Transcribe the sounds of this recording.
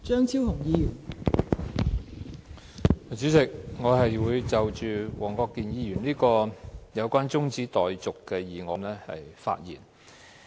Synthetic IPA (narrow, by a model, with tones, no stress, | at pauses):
t͡ʃœː˥ŋt͡sʰiː˥whʊ˨˩ŋjiː˨˧jyː˨˩n˨˩ | t͡syː˨˥t͡sɪ˨k̚ŋɔː˨˧ɦɐ˨jwuː˨˧jt͡sɐ˨wt͡ʃyː˨wɔː˨˩ŋkɔː˧kːiː˨njiː˨˧jy˨˩nliː˥kɔː˧jɐ˨˧wkʷaː˥nt͡sʊ˥ŋt͡siː˨˥t̪ɔː˨jt͡sʊ˨kːɛː˧jiː˨˩ŋɔː˨˧nlɛː˥hɐ̰˨jfa̰ː˧t̚jiː˨˩n